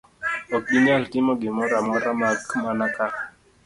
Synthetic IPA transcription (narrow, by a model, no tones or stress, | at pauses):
ɔk̚ɓinialtimɔɡimɔɾamɔɾamakmanaka